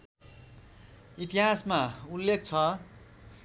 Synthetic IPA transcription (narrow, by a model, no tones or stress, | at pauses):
it̪iɦasmaulːek̚t͡sʰʌ